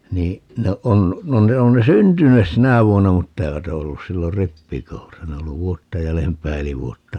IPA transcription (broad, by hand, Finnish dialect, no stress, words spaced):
niː no on no ne on ne syntynes sinæ ʋuonːɑ mutːɑ eiʋæt o olːus silːor ripːikoulusɑ ne o olːu ʋuotːɑ jælempæː eli ʋuotːɑ